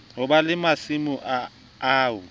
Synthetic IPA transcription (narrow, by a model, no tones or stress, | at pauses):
ɦʊbalɪmasimʊʔa | aːwʊ